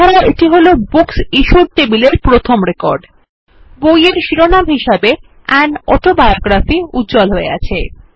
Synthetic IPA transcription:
aɾaʔeʈiɦolobuksiʃuɾt̪ebileɾpɾot̪ʰomɾekɔɾɖ | bojeɾʃiɾonamɦiʃabe | ɛnɔʈobaeoɡɾafiut̪̚d͡ʑɔlɦoḛɡa̰t͡ɕʰe

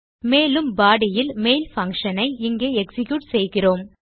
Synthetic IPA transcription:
meːlɯmbaːɽɪjɪlmeːlfɐŋkʂɐnɐɪɪŋɡeːɛksɪkjuːʈsɛjɣɪroːm

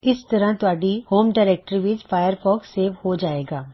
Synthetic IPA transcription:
ɪst̪ɐɾãt̪ʊaːɖihoːmɖaːɪɾɛːk̚ʈəɾʋɪt͡ʃfaːjəɾfɔːkseːʋhod͡ʒaːeːɡaː

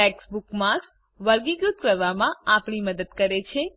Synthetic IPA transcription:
ʈɛksbukmaɾks | ʋəɾɡiɡɾut̪̚kəɾʋamãapɳiməd̪əd̪kəɾet͡ʃʰe

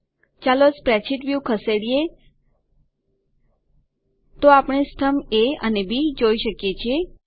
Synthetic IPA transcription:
t͡ʃalospɾɛt͡ʃʰiʈʋjukʰəseɽije | t̪oapɳ̃esʈ̪ʰəmeənebʱid͡ʒoiʃəkjet͡ʃʰie

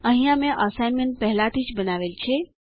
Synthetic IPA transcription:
əɦĩjãmẽʔəsajnmẽnʈ̚pəɦlat̪ʰit͡ʃbənaʋelt͡ʃʰe

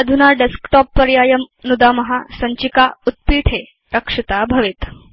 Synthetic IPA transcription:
əd̪ʱunaɖeskʈɔpːəɾjajəmnud̪amɐɦasɐɲt͡ɕikaut̪̚pit̪ʰe | ɾəkʂit̪abʱɐʋet̪

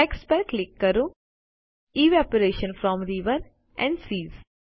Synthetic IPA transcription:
ekspəɾklɪkːəɾũ | iːʋɔpəɾeːʃə̃nfɾɔ̃mɾiːʋəɾ | ʔɛ̃ɳɖsiːz

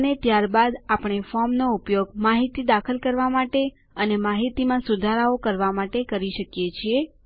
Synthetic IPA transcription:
net̪jaɾbad̪apɳ̃efɔɾmnoupjoɡmaɦit̪id̪akʰəlkəɾʋamaʈe | ənemaɦit̪imãsud̪ʱaɾaokəɾʋamaʈekəɾiʃəkjet͡ʃʰie

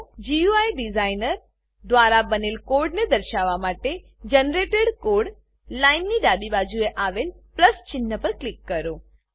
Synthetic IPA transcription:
d͡ʒiuajɖizainəɾ | d̪ʋaɾabənelkoɾɖned̪əɾʃaʋamaʈe | d͡ʒənɾeʈeɽkoɾɖ | lainniɖabibad͡ʒueʔaʋelpləst͡ʃɪnːəpəɾklɪkːəɾo

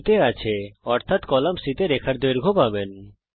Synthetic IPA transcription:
t̪eat͡ɕʰeɔɾt̪ʰat̪kɔlamsit̪eɾekʰaɾd̪eɾɡʱopaben

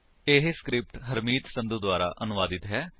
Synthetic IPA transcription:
ɪɦskɾɪp̚ʈɦəɾmiːt̪sə̃nd̪ud̪ʊaːɾa̰ːʔənʊʋaːd̪ɪt̪ɦɛː

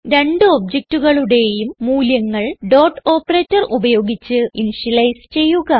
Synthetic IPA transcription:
ɾe̞ɳɖɨob̚d͡ʑek̚tuɣɐɭuɽe̞jumːuːljɐŋːɐɭɖo̞ːʈo̞ːpːɐreːtːɐrubɐjo̞ːɡit͡ɕːɨinʂilɐjst͡ɕe̞jːuɣɐ

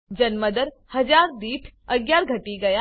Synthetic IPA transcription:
d͡ʒɐnməd̪əɾ | hɐd͡ʒaːɾd̪iːʈʰɐɡjaːɾɡʱɐʈiɡɐja

